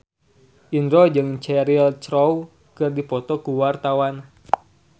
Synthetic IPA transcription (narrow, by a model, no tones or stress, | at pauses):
ʔinɾɔd͡ʒɨŋt͡ʃɛɾilt͡ʃɾɔw | kɨrdipɔt̪ɔkuwart̪awan